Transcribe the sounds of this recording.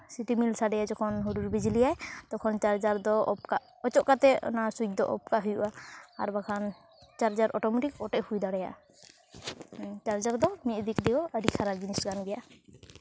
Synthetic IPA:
siʈimilsaɖɛjad͡ʒɔkʰɔnɦuɾuɾbid͡ʒilijajt̪ɔkʰɔnt͡ʃaɾd͡ʒaɾd̪ɔɔp̚kaʔ | ɔt͡ʃɔʔkat̪ɛɔ̰nasut͡ʃ̚d̪ɔ̰ʔɔ̰p̚kaɦujuʔa̰ːɾbakʰan | t͡ʃaɾd͡ʒaɾʔɔʈɔmɛʈikɔʈɛʔhujd̪aɽɛja̰ʔ | t͡ʃaɾd͡ʒaɾd̪ɔmit̪̚d̪ikd̪ɛjɔʔəɖikʰaɾaɾd͡ʒinisɡanbɛjaʔ

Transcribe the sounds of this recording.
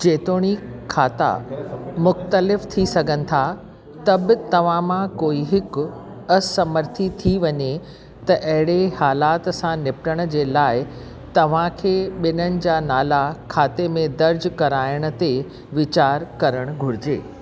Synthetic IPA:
d͡ʑeːt̪oːɽ̃ikʰaːt̪a̰mʊxt̪əlɪft̪ʰisɐɡʱənɪ̆t̪ʰa | t̪ɐbt̪ɐʋ̤ãmãkoːiɦɪk | ɐsɐməɾt̪ʰit̪ʰiʋɐɲe | t̪ɐʔɐɦɪɽehaːlaːt̪sãnɪpʈəɽ̃̆d͡ʑeːlaːɪ | t̪ɐʋ̤ãkʰeːɓɪnənɪ̆d͡ʑaːnaːlakʰaːt̪emẽd̪ɐɾd͡ʑkɐɾaːɪɽ̃ə̆t̪e | ʋɪt͡ɕaːɾkɐɾəɽ̃ɡʱʊɽɪd͡ʑḛː

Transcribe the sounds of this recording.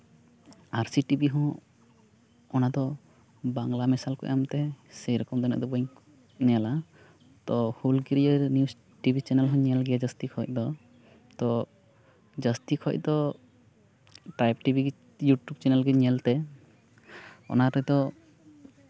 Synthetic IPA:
aɾsiʈibiɦɔ̃ | nad̪ɔ | baŋlamisalkɔ̰jamt̪ɛsɛjɾɔkɔmd̪ɔnɛ̰ʔd̪ɔbɔjŋk | nɛala | t̪ɔhulɡiɾienius | ʈibʱit͡ʃɛnɛlɦɔ̃ɲɛlɡɛad͡ʒəst̪ikʰɔc̚ˀd̪ɔ | t̪ɔ | d͡ʒəst̪ikʰɔc̚d̪ɔ | ʈajpʈibiɡ | juʈjub̚t͡ʃɛnɛlɡɛɲɛlt̪ɛ | ɔ̰naɾɔd̪ɔ

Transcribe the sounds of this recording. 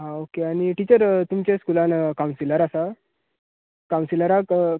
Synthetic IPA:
ɦãokeaɽ̃iʈit͡ɕəɾt̪umt͡ɕẽskulankaw̃nsiləɾasa | kaw̃nsiləɾa

